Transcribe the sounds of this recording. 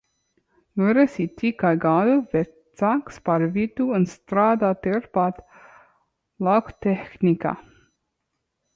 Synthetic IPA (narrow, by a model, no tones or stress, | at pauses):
juɾɛsit̪ikajɡaːd̪uvɛt̪sakspaɾvit̪uunst̪ɾaːd̪aːt̪eɾpat̪ | lakt̪ɛxnʲika̰